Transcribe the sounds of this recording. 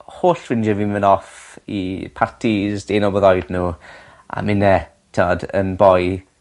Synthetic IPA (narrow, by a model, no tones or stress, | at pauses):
hoːɬv̥ɪnd͡ʒəvimənɔfḭpʰartʰizd̥eːnɔbɔðɔjdnuː | a̰mɪnːɛ | tʰɪɔdə̰nbɔj